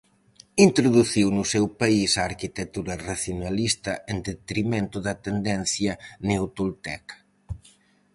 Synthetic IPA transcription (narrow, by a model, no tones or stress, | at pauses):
int̪ɾʊðuθiwnʊsɛwpaisaːɾkit̪et̪uɾɐraθjonalist̪ɐʔend̪et̪ɾimẽnt̪ʊðɐt̪end̪ɛn̟θjɐnewt̪ult̪ɛ̰kɐ̥